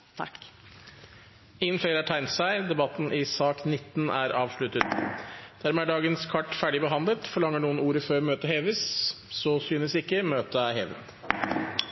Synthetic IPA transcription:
ɪŋːənfeɪɾæʈʰæɪnt̪sæɪd̪ɛbɑt̪n̩ʔɪsɑːknɪt̪ːn̩ʔæ̰ɾʔɑːʋʂɭʉt̪ət̪d̪̥æɾmɛːæɖɑːɡənskʰɑʈːfæːɖɪbəɦɑnd̪lət̪fɔɭɑŋːəɳuːənuːɾəføːɾmøːt̪əɦeːʋəs | sɔsyːnəsɪkːəmøːt̪əæheːʋə̰t̪

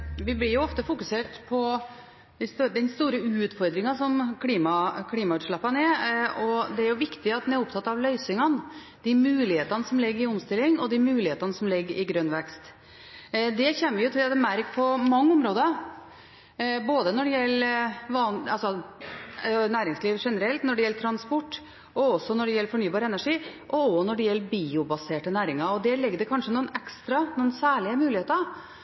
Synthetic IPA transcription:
ʋɪblɪɾjʊɔft̪əfʊkʉseːʈpʰɔ | d̪ɪst̪ːd̪ɛnst̪uːɾəʉːt̪fɔɾd̪ɾɪŋɑsɔmkʰliːmɑkʰliːmɑʉːt̪ʂɭɛpːɑnɛɔd̪ɛæɾjʊʋɪkt̪ɪɑt̪̚d̪næɾʊpt̪ʰɑt̪ːɑʋlœʏsɪŋɑn | d̪̥imʉːlɪheːt̪ɑnəsɔmlɪɡːəɾɪɔmst̪ɪlːɪŋɔd̪imʉːlɪheːt̪ɑnəsɔmlɪɡːəɾʔɪɡɾœnʋɛkst̪ | d̪ɛçɛnːəʋɪjʊt̪ʰɪlɑt̪ːmæɾkpʰɔmɑŋːəʊmɾoːd̪ə | boːd̪ənɔɖɛjɛlːʋɑːnɑlsɔ | næːɾɪŋsliːʋʂɛnəɾɛlt̪nɔɖɛjɛlːəʈ̪ʰɾɑnspɔʈː | ɔɔsːɔnɔɖɛjɛlːəɾfɔɳyːbɑːɾəɛnæʂiːʔɔɔnɔɖɛjɛlːəɾbiːʊbɑseːʈənæːɾɪŋɑɔd̪ɛlɪɡːəd̪ɛkʰɑnʂənuːnɛkst̪ɾɑnuːnsæːɭɪəmʉːlɪheːt̪ə

